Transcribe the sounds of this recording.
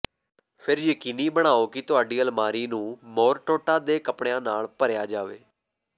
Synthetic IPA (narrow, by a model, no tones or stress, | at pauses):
pʰɪɾjəkiːniːbəɽ̃aːoːkɪt̪ʊaːɖiːəlmaːɾiːnũːmoːɾʈoːʈaːd̪eːkəpɳejãːnaːlpəɾjaːd͡ʒaːʋḛː